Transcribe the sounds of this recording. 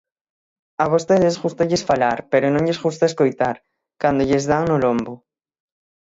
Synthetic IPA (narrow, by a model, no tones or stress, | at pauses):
aβost̪eðesɣust̪aʎesfalaɾpeɾʊnõŋʎesɣust̪aeskojt̪aɾ | kand̪oʎezðaŋnʊlombʊ